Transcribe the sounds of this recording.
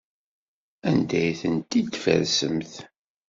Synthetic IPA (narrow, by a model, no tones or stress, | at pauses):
ænd̪æjθənt̪id̪fə̰ɾsəmθ